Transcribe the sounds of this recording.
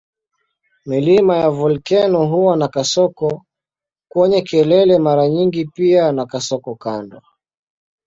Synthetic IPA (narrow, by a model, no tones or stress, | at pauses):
milimajavulkɛnɔɦuwanakasɔkɔ | kwɔɲɛkɛlɛlɛmaɾaɲiŋɡipianakasɔkɔkandɔ